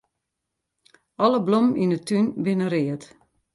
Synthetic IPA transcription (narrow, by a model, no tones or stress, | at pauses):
ɔləblominətynbɪnəɾɪət